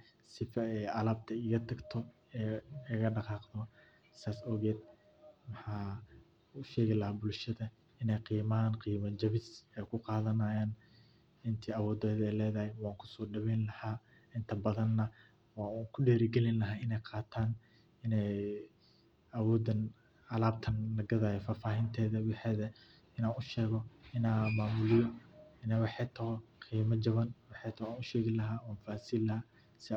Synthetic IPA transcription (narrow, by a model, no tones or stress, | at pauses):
sɪfɐɛɐlaːb̚t̪ʰɐɪɣɐt̪ʰɐɡt̪ʰɔ | ɛɐɣɐɖɑqɑːqd̪ɔ | saːsɔːɣɛːd̪̚ | mɑħaː | ʊʃɛːɣɪlɐhaːbʊlʃɐðɐ | ɪnɛjqiːmaːnqiːmɐt͡ʃɐβɪsɛjkʰʊqɑːðɐnaːjaːn | ɪnt̪ʰiːɐwɔːd̪ɛːðɛjlɛːðɐhɛjwɑːŋkʰʊ̥sɔːɖɐβɛjnlɐhaː | ɪnt̪ʰɐbɐðɐnːɐ | waːuŋkʰʊɖɛːɾɪɡɛlɪnlɐɦaːɪnɛjqʰɑːt̪ʰaːn | ɪnɛj | ɐwɔːd̪ɐn | ɐlaːb̚t̪ʰɐnlɐɡɐðaːjɔfaːfaːɦɪnt̪ʰɛːðɐwɪħɛːðɐ | ɪnaːnʊʃɛːɣɔɪnaːmaːmʊlɪjɔɪnɛjwɑħɛjt̪ʰɐhɔqiːmɐd͡ʒɐβɐnwɑħɛjt̪ʰɐaːnʊʃɛːɣɪlɐɦaːɔːnfaːsiːlːɐhaː | sɪ